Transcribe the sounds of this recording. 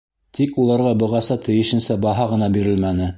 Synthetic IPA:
t̪ʰikulˠɑɾʁɑbɤ̆ʁɑsɑt̪ʰɘ̆jɘ̆ʃɘ̆nsæbɑɦɑʁɤ̆nɑbiɾɘlmænɘ

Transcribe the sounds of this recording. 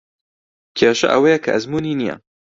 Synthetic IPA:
kʰeːʃɐ̰ʔɐwɐjɐkʰɐ̰ʔɐzmuːniːnijɐ̰

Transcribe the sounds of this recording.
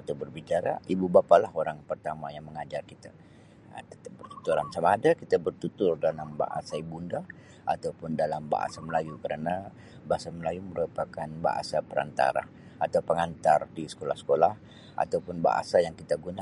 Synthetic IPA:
at̪abərbit͡ʃaɾa̰ibubapalaɦoɾaŋpərt̪amajaŋməŋad͡ʒarkit̪a̰ | t̪ət̪əbərt̪u̥t̪uɾansamaːdakit̪abərt̪ut̪ʊrdalamba̰ʔa̰saibunda | ʔat̪awpʊndalamba̰ʔa̰saməlajukəɾana | baasaməlajuməɾupakanba̰ʔa̰sapəɾa̰nt̪a̰ɾa̰ | at̪awpəŋant̪ardisə̥kola̰hsə̥kolah | a̰t̪awpʊnba̰ʔa̰sajaŋkit̪aɡuna

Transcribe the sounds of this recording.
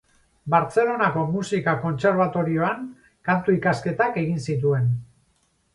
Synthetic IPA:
baɾt͡se̞lo̞nako̞musikako̞nt͡se̞ɾβ̞at̪o̞ɾio̞aŋ | kant̪uikaske̞t̪ake̞ɣinsit̪̬ue̞n

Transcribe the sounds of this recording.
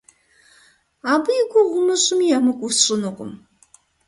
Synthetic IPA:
aːbɨjɪɡʷʊʁʷʊmɨɕʼɪmiamɨkʷʼusɕʼɪnɨqʷʼʊ̰m

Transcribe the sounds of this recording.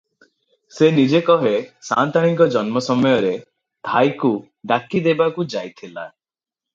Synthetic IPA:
senid͡ʒekɔɦesa̰nt̪aɽ̃iŋkɔd͡ʒɔnmɔsɔmɔjɔɾe | t̪ʰajku | ɖakid̪ebakud͡ʒajt̪ʰila̰

